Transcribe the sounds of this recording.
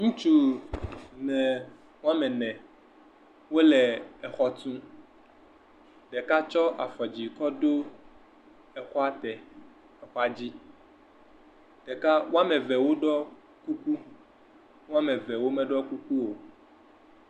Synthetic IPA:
ŋũ˦t͡ʃu˦ | nɛ̃˨ | wo˦a˦mɛ̃˨nɛ̃˨ | wo˦lɛ˨ɛ˨xɔ˦t̪ũ˦ | ɖɛ˨ka˦t͡ʃɔ˦ʔa˨fɔ˨d͡ʑi˨kɔ˦do˦ | ɛ˨xɔ˦a˨t̪ɛ˨ | ɛ˨xɔ˦a˨d͡ʑi˦ | ɖ̥ɛ˨ka˦wo˦a˦mɛ̃˨vɛ˨wo˦ɖɔ˦ | ku˦ku˦ | wo˦a˦mɛ˨vɛ˨wo˦mɛ˦ɖɔ˦ku˦ku˦wo˨

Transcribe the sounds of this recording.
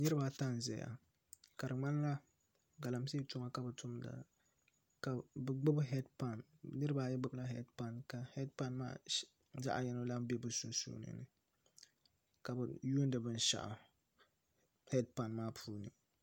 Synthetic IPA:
nɨ˦ɾɨ˦ba˨˦ta˦n˨zɛ̰˨ja̰˨ | ka˨ɾɨ˨ŋ͡ma˦n˦la˦ | ɡa˨la˨msi˦tʊ˦ma˦ka˨bɨ˨tʰʊ˦mda̰˨ | ka˨bɡ͡bʊ˦bɦɛ˦dpa˨nnɨ˦ɾɨ˦ba˦˨˦jɛ˦ɡ͡bɨ˦bla˦ɦɛ˦dpa˨nka˨hɛ˦dpa˦nma̰ː˦ | za̰˦ʔa̰˨jɛ˦no˦la˦m˦be˦bɨ˨˦su˨nsṵ˦nɨ̰˨nɨ̰˨ | ka˨bɨ˨ju˦ndɨ˨bɨ˦n˦ʃa̰˨ʔa̰˨ | hɛ˦dpa˨nmaː˦pʰuː˦nɨ̰˨

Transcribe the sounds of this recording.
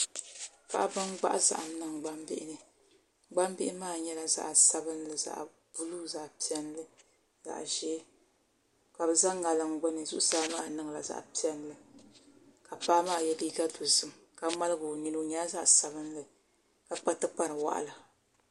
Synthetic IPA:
pa̰˦ʔa˦bɨ˦ŋɡ͡ba˦ʔa˦za̰˨ʔa˨m˦nɨ˦˨ŋ˨ɡ͡ba˦mbɪ̰˦ʔɪ˦nɨ˨ | ɡ͡ba˦mbɪ˦ʔɪ˦maː˦˨ɲɛ˦la˨za̰˨ʔsa˦bɨ˦n˦lɨ˨za̰˨ʔ | b̥u˦lu˦za˨ʔpi˨˦ɛ˦nlɨ˦ | za̰˨ʔʒɛː˦ | ka˨bɨ˨za˦ŋːa˨lɨ˦ŋ˦ɡ͡bʊ˦nɨ˨zu˦ʔʊ˦saː˦maː˦˨nɨ˦ŋ˨la˨za̰˨ʔpi˦ɛ˦nlɨ˦ | ka˨paː˦maː˦˨jɛ˦diː˦ɡa˦do˨zɨ˦m | ka˨ma˦lɨ˦ɡo˨ni˦no˦ɲɛ˦la˦za˦ʔsa˨bɨ˦n˦lɨ˨ | ka˨k͡pa˦tɨ˦k͡pa˦ɾɨ˨wa̰˦ʔa̰˦la˨

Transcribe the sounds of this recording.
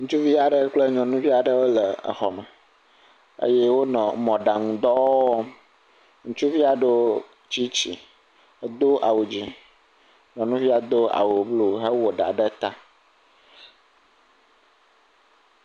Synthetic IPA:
ŋũ˦t͡ʃu˦vi˦a˨ɖə˦k͡plə˦ɲɔ̃˨nũ˦vi˦a˨ɖə˦wo˦lə˨ə̰˨xɔ˨mə˨ | ə̰˦je˦wo˦nɔ̃˨mɔ̃˨ɖa˨ŋũ˨d̪ɔ˦ɔ˦ | ŋũ˦t͡ʃu˦vi˦a˨ɖo˦ | t͡ɕi˦t͡ɕḭ˨˦ | d̪o˦ʔa̰˨wu˨d͡ʑi˦ | ɲɔ̃˨nũ˦vi˦a˨d̪o˦a̰˨wu˨blo˦ɦə˦wo˨ɖa̰˨ɖə˦t̪a˦

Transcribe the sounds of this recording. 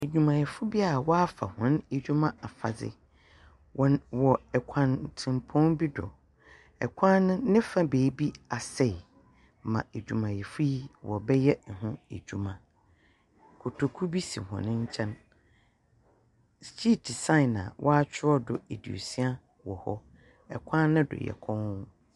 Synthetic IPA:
e˨d͡ʑᶣu˨mã˨jɛ˨fʊ˦bi˦a˨wɔ˦a˦fa̰˨hʊ̃˨˦ne˨d͡ʑᶣu˦mã˦a˨fa̰˨d͡zɪ̰˦˨ | wɔ˨ɛ˨kʷʰã˨ntʰɪ̃˨mpʰɔ̃˦nbi˦dʊ̰˨ | ɛ̰˨kʷʰã˦nʊ̃ː˦ɪ̃˦fa˦beː˨˦bi˦a˨sɛ˦˨ | mã̰˨e˨d͡ʑᶣu˨mã˨jɛ˨fʊ˦ji˦wɔ˨bɛ˦jɛ˦˨ɦʊ̃˦ḛ˨d͡ʑᶣu˨mã˨ | kʰʊ˨tʰo˨kʰu˦bi˦sĩ˨hɔ̰̃˨nɪ̃˦ɲ̩˦t͡ɕʰɛ̃˦n | st͡ɕʰi˦di˨sã˦ɪ˨nã˨wʔɔ˦a˦t͡ɕʰᶣɪ˦ɔ˦dʊ˨e˨dḭ˨o̰˨si˦a˦ | wɔ˨hɔ˦ | ɛ˨kʷʰãː˦ɪ̃˦dʊ̰˨jɛ̰˨kʰɔ̃˦n˦

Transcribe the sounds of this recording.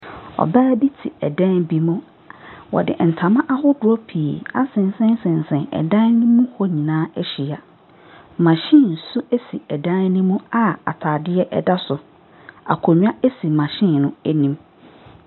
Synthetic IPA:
ɔ̰˨baː˦bi˦tʰḭ˨ɛ˨dã˦nbi˦mʊ̃˦ | wɔ̰˨dɪ̰˨ʔn̩˨tʰã˨mã˦ʔa˦hʊ˦dʊ˦ɔ˦pʰi˨a˦sɪ̃˨n˦sɛ̃˦n˦sɪ̃˨n̩˨sɛ̃˨nɛ̰˨dã˦nnĩ˦mũ˦hɔ˦ɲĩ˨nãː˦æ˦ɕi˨a˨ | mã˨ɕĩ˦˨n̩˨su˦e˦si˨ɛ˨dã˦nnĩ˦mũ˦a˨a̰˨tʰaː˨dɪ˦ɛ˦ʔɛ̰˦da˦sʊ˨ | a̰˨kʰo˨ɲᶣ˦a˦e˦si˨mã˨ɕɪ̃˦˨nʊ̃˦æ˦nĩ˦m

